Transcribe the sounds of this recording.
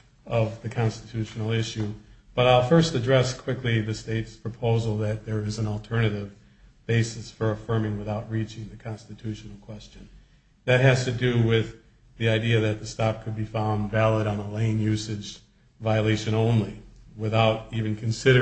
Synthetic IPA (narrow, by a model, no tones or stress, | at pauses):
ʌvðɨkʰɑ̃nstɨtʰʉʃnl̩ˠɪʃʉb̥ʌɾaɪlˠfɜ˞stɨdɹɛskʰw̥ɪkliðɨsteɪtspʰɹ̥ɨpʰoʊzl̩ˠðɨt̪̚ðə˞ɪzɨ̃nɔl̩ˠtʰɜ˞nɨɾɪv | b̥eɪsɨsfə˞ɨfɜ̃˞mɪ̃ŋwəθaʊt̚ɹit͡ʃɪ̃ŋðɨkʰɑ̃nstɨtʰʉʃn̩l̩ˠkʰw̥ɛst͡ʃɨ̃n | ðɨt̚ɦɨz̥tɨdɨwɪð | ðiaɪdiɨðɨt̪̚ðɨstɑp̚kʰɨd̚bifãʊ̃ndvælˠəɾn̩əlẽɪ̃njʉsɨd͡ʒ | vaɪɨleɪʃɨ̃nõʊ̃nliwɨθaʊɾivɨ̃n̩kʰɨ̃n̩sɪɾə